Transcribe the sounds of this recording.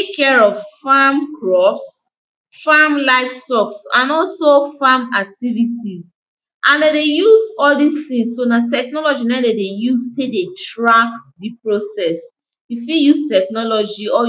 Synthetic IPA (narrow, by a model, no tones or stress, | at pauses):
tekʰːɛɹɔvfamkɹɔps | famlaɪfstɔksãnɔlsofamak̚tivitiz | ʔãndɛdejuzɔldistĩŋssonatɛk̚nɔlɔd͡ʒinɛ̃dɛdejuztedetɹakdipɹosɛs | ifijustɛknɔlɔd͡ʒiɔ